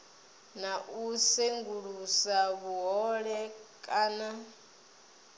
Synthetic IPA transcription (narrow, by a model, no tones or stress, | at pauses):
naʔusɛŋɡuɺusaβuɦɔɺɛkʼaːna